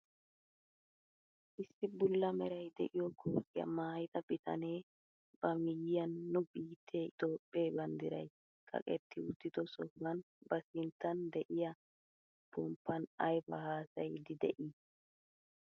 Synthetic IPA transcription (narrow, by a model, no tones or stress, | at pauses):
ʔɪsːɪbʊlːɐmɛɾɐjd̪ɛ̰ʔɪjɔkʰːɔsɪjɐ̰maːjɪt̪ɐb̥ɪt̪ʰɐ̰ne̞ː | b̥ɐmɪjɪjɐnːʊbiːt̪ʰːeːt̪oːpʼːeːbɐnd̪ɪɾɐj | kʼɐ̰kʼɛt̪ʰːɪʊt̪ːɪt̪ɔsɔfɐn | bɐsɪnt̪ːɐnd̪ɛʔɪjɐ | b̥ɔmpːɐnɐjbɐhaːsɐjd̪ɪd̪ɛʔi